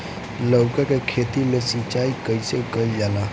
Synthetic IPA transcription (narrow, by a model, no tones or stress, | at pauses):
ləwkakekʰeːt̪ilesit͡ʃaːikəisekəljala